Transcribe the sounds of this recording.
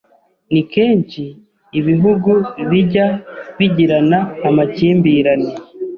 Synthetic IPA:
nikeːɲt͡ʃiː | βiɦuɡuβiɟaβiɟiɾanaːmaciːmbiːɾani

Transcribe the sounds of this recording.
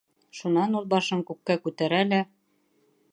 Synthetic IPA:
ʃunɑnulˠbɑʃɤŋkʉp̚kækʉt̪æɾælæ

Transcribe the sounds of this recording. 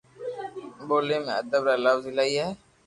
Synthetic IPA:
boːlemḛ̃ɐd̪əbɾalawzɪlaiɦɛ

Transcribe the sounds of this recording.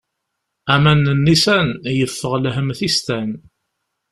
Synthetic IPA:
æmænənːisænjəfːəʁlɦəmθist̪æn

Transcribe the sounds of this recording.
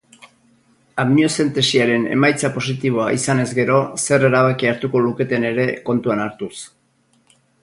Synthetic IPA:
ammiose̞nt̪e̞siaɾe̞ne̞̰majt͡sapo̞sit̪iβ̞o̞aʔisane̞zɡe̞ɾo̞se̞re̞ɾaβ̞akiaɾt̪uko̞luke̞t̪e̞ne̞ɾe̞ko̞nt̪uanaɾt̪us

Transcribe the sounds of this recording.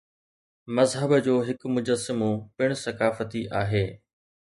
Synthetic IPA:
mɐzɦəbd͡ʑoːɦɪkmʊd͡ʑəsːɪmopɪɽ̃sɐkaːfət̪iʔaːɦeː

